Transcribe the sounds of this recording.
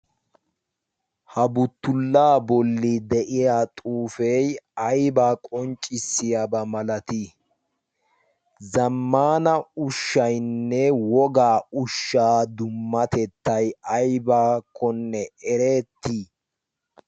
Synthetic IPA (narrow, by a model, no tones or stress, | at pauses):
hɐbʊt̪ːʊlːaːbɔlːid̪ɛʔɪjaːt̪ʼuːfejɐjbaːkʼɔnt͡ʃʼɪsːɪjabɐmɐlɐt̪i | zɐmːaːnɐʊʃːɐjnːɛwɔɡaːʊʃːaːd̪ʊmːɐt̪ɛt̪ːɐjɐjbaːkʰːɔnːɛɛɾe̞ːt̪ːi